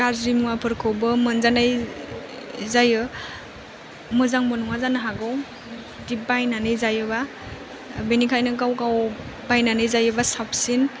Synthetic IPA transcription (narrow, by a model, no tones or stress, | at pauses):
ɡazɾimuwapʰɯɾkʰɯwbɯmɯnzanaj | zajɯ | mɯzaŋmɯnuŋazanɯɦaɡɯw | dibajnanɯjzajɯba | benikʰajnɯɡawkawbajnanɯjzajɯbasap̚ʰsin